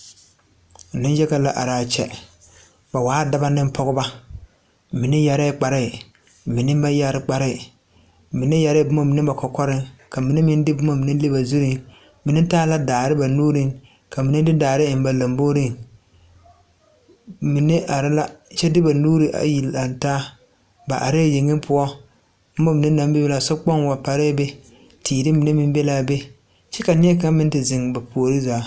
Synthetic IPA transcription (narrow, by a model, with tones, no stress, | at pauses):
nɪ̃˦nd͡ʒɛ˦ka˨la˨ʔa̰˨ɾaː˨t͡ʃɛ̰˦ | ba˨waː˨˦da˦ba˦nɪ˦m˦pʰɔ˦ɣʊ˦ba˦ | mɪ˨nɪ˦ja˨ɾɛ˦k͡pa˨ɾɪ˦˨ | mɪ˨nɪ˦ba˦ja˦ɾɪ˦k͡pa˨ɾɪ˦˨ | mi˨nɪ˦ja˨ɾɪ˦˨bʊ˦ma˦mi˨nɪ˦ba˨kɔ˨kɔ˦ɾɪ˦ŋka˨mi˨nɪ˦mɪ˦n˦dɪ˦bʊ˦ma˦mi˨nɪ˦le˦ba˨zu˦ɾi˦ŋ | mi˨nɪ˦taː˦la˦daː˨ɾɪ˦ba˨nuː˦ɾɪ˦ŋ | ka˨mi˨nɪ˦dɪ˦daː˨ɾɪ˦ɪ˨m˦ba˨la˨mboː˦ɾɪ˦ŋ | mi˨nɪ˦ʔa˨ɾɪ˦la˦t͡ʃɛ˦dɪ˦ba˨nuː˦ɾɪ˨ʔa̰˨ji˨la˨n˨taː˦ | ba˨ʔa̰˨ɾɪ˦jɪ˨ŋɪ˦m˦pʊ˦ɔ˦ | b̩˦ma˦mi˨nɪ˦na˦mbɪ˦bla˨sɔ˦k͡pɔ˦nwa˨pa˨ɾe˦be˦ | tʰiː˨dɪ˦mi˨nɛ˦mɪ˦m˦bɛ˦laː˦be˦ | t͡ʃɛ˦ka˨nɪ˦ɛ˦ka˦mɪ˦n˦tɪ˨zɪ˨ŋ˨ba˨pʰo˨o˨ɾɪ˦zaː˨˦